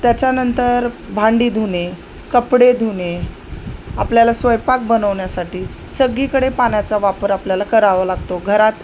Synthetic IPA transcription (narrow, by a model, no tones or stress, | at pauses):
t̪jat͡ɕjanənt̪əɾbʱaɳɖiːd̪ʱune | kəpɽed̪ʱune | apljalasʋəjpak̚bənəʋɳjasaʈiː | səɡiːkəɽepaɳjat͡saʋapəɾapljalakəɾaʋəlaɡt̪oɡʱəɾat̪